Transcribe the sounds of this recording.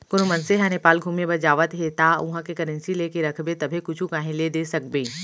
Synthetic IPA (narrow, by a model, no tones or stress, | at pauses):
kʊnmɐnseɦãnepaːlɡʱuːmebɐd͡ʒaːʋət̪ɦet̪aːʊɦãkekɐɾə̃nsileːkeɾɐkʰbet̪ɐbʱekʊt͡ʃʰukãːɦẽled̪esɐk̚beː